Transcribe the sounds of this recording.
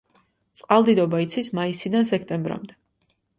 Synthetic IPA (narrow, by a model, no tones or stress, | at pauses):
t̪sʼqʼalˠd̪id̪ɔbait̪sʰismaisid̪ans̬ɛk̚ʰt̪ʼɛmbɾa̰md̪ɛ